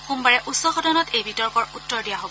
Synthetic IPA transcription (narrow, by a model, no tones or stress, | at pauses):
xumbaɹɛʔusːɔxɔdɔnɔtejbitɔɹkɔɹutːɔɹdijaɦobɔ